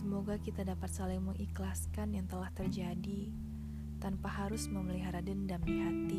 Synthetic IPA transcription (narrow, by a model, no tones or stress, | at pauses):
səmoɡakit̪adapat̪̚salaməŋiklaskanjaŋt̪əlaht̪ərd͡ʒadi | t̪anpaɦaɾʊsməməliɦaɾadəndamdiɦat̪i